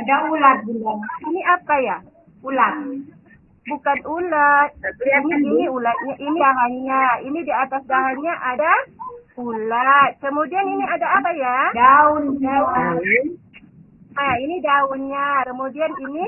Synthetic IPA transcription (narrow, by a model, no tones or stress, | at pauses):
adaulat̪̚bulaniniʔapaja | ulat̪̚ | bukanulat̪̚iniiniulat̪̚ɲaʔiniaɦanɲainidiat̪asdaɦanɲaʔada | ulat̪̚kəmudianiniadaːpajadaunɲa | mainidaʊnɲakəmudianini